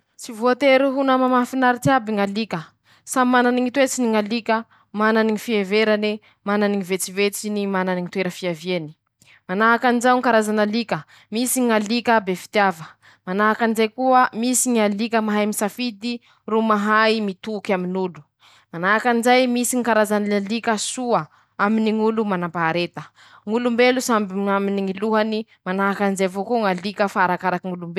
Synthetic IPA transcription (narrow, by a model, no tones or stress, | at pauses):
t͡sivuat̪eɾuɦunəmamafinaɾit̪abiŋalikə | samananiŋit̪wet͡siniŋalikə | mananiŋifieveɾane | mananiŋivet͡sivet͡sinimananiŋit̪weɾəfiavieni̥ | manaɦakanizawŋkaɾazanalikə | misiŋalikəbefi̥t̪iavə | manaɦakanizajkuəmisiŋalikəmaɦajmisafid̪i | rumaɦajmit̪ukaminulu̥ | manaɦakanizajmisiŋikaɾazanlikəsuə | aminiŋulumanampaɦaɾet̪ə | ŋulumbelusambiaminiŋiluɦani | manaɦakanizavokuŋalikəfaaɾakaɾakiŋulumbe